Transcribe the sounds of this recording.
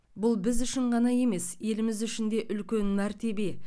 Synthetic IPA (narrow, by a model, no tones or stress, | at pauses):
bʊlˠbɪzʏʃɪɴʁɑnɑje̞me̞sje̞lɪmɪzʏʃɪnd̪e̞ʔʏlkʲe̞nmæɾt̪e̞be̞